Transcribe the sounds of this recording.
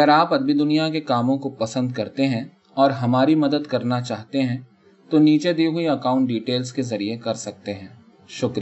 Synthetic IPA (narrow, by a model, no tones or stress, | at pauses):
ɐɡəɾaːpɐd̪mid̪ʊnijakekaːmõkopɐsə̃nd̪kɐɾt̪eɦɛ̃ | ɔːɾɦɐmaːɾimɐd̪əd̪kɐɾnat͡ʃaːɦt̪eɦɛ̃ | t̪oniːt͡ʃed̪eːɦʊiɐkaːʊ̃ɳʈ̚ɖiːʈeːlskezɐɾiekɐɾsɐk̚t̪eɦɛ̃ː | ʃʊkɾi